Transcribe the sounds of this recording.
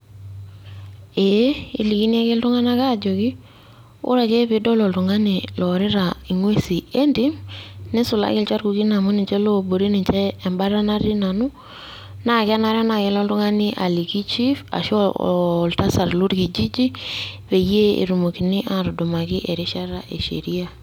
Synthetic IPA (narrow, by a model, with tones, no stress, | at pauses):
e˨˦i˨li˨ki˦n˦a˦kɪ˦ltʊ˦ŋa˦na˦ka˦˨d͡ʒo˨ki˦ | ʊ̰˦ɾa˨ke˦pɪ˨dɔ˦lɔ˨ltʊ˨ŋa˦ni˨lɔ˨ɾɪ˦ɾa˨i˨ŋwe˦si˨e˦ndi˦mnɛ˦sʊ˨la̰˦kɪ˦lt͡ʃa˦ɾku˨ki˦na˨mu˦ni˨t͡ʃɛ˦lo˦bo˨ɾe˦ni˨t͡ʃɛː˦˨mba˦ɾa˦na˦ri˦na˨nʊ˦ | na˦˨kɪ˦a˦na˨ɾɔ˦na˨kɛ˦lɔ˦ltʊ˦ŋa˦nɪ˦ʔa˨li˨ki˦t͡ʃi˦fa̰˨ʃlta˦sa˨ɾlo˦ɾki˨d͡ʒi˦d͡ʒi˦βe˨je˦ḛ˨ɾu˨mo˨ki˨nɪ˦ʔa˨ɾdo˨ma˨kɪ˦ʔe˨ɾi˦ʃa˦ɾa˨ʔe˨ʃḛ˨ɾi˦a˨